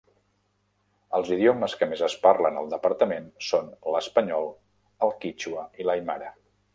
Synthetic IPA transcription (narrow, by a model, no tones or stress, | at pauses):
əlˠziðioməskəmezəsparlənəlˠd̪əpəɾt̪əmensonləspəɲɔlˠ | əlˠkit͡ʃuəilajmaɾə